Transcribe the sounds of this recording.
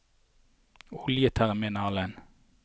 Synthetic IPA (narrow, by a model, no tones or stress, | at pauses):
ʊljət̪ʰæʁɛmɪnɑːlən